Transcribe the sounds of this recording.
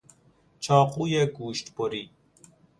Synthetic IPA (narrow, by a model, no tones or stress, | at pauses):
t͡ʃʰɑːquːjeɡuːʃt̪boɾiː